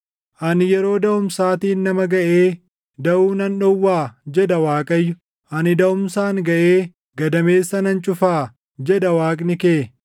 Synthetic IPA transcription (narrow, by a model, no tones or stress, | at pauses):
ʔɐnjɛɾo̞ːd̪ɐʊmsaːt̪iːnnːɐmɐɡɐʔeː | d̪ɐʔuːnɐnᶑɔwːaːd͡ʒɛd̪ɐwaːkʼɐjːʊ | ʔɐnɪd̪ɐʊmsaːŋɡɐʔeː | ɡɐd̪ɐme̞ːsːɐnɐnt͡ʃʼʊfaː | d͡ʒɛd̪ɐwaːkʼnɪkeː